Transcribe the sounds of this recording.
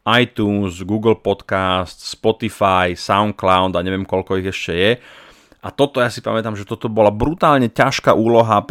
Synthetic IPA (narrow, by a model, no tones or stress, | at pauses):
ajt̪uːnzɡuːɡl̩pɔt̪kast̪spɔt̪ifajsaʊnklaʊd̪aɲɛʋɪɛmkɔʎkɔiɣɛʃcɛjɛ | ʔat̪ɔt̪ɔjasipa̰mɛt̪amʒɛt̪ɔt̪ɔbɔlabɾut̪aːlɲɛcaʃka̰ʔuːlɔɦa